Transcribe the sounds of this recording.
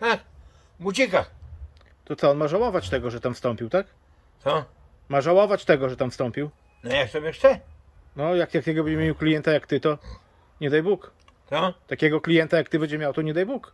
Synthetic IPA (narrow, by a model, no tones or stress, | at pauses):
t̪ak | but͡ɕika | t̪ɔt̪sɔɔnmaʐawɔvat͡ɕt̪ɛɡɔʐɛt̪amfst̪ɔmpʲiwt̪ak̪ | sɔ | maʐawɔvat͡ɕt̪ɛɡɔʐɛt̪amfst̪ɔmpʲiw | nɔjakt̪ɔbjɛʂt͡ʃɛ | nɔjakjakʲɛɡɔbɛd͡ʑɛmʲeiwklʲijɛnt̪ajakt̪ɘt̪ɔ | ɲɛd̪ajbuk | t͡s̪ɔt̪akʲɛɡɔklʲijɛnt̪ajakt̪ɘbɛɲd͡ʑɛmʲjawt̪ɔɲɛd̪ajbuk